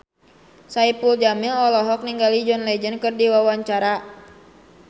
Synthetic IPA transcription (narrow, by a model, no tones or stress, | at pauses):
saipuld͡ʒamilɔlɔɦɔk̚niŋɡalid͡ʒɔnlɛd͡ʒənkɨrdiwawaɲt͡ʃaɾa